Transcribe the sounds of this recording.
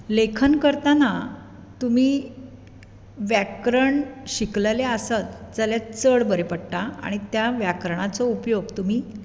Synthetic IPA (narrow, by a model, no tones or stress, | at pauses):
lekʰənkəɾt̪ana | t̪umiː | ʋjakɾəɳɕikləleəsat̪d͡zəljat͡səɭbəɾepəɽʈ̪aa̰ɽ̃it̪jaʋjakɾəɳ̃at͡sɔupjoɡt̪um̤iː